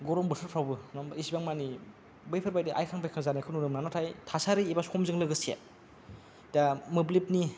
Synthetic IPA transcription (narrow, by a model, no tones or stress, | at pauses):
ɡɔɾɔmbɯtʰɯɾpʰɾawbɯnɔmisibaŋmani | bɯjpʰɯɾbajdiʔajkʰaŋbajkʰaŋzanikʰɯnunɯmnanɔtʰajtʰasaɾiibasɔmzɯŋlɯɡɯsia̰ | damɯblip̚ni